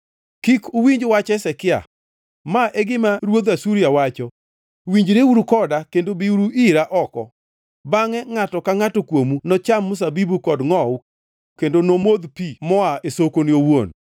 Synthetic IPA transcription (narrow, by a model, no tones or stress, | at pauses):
kikʊwiɲd͡ʒwat͡ʃɛsɛkɪa̰ | maʔeɡɪmaɾwod̪asuɾjawat͡ʃɔ | wiɲd͡ʒɾeuɾukɔdakendobiuɾuʔiɾaʔɔkɔ̰ | baŋɛŋatɔkaŋatokwomunɔt͡ʃamːʊs̬abibukɔdŋɔw | kendonomod̪pimɔaesokonɪowon